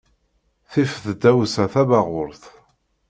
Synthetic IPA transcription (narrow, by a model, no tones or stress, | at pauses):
θifθd̪æwsæθævaʁʊɾθ